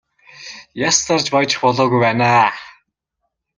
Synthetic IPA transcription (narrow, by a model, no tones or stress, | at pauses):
jast̪ʰart͡ɕpɔjt͡ɕɪ̥̆xpɔɮɔːɣujpæːnaː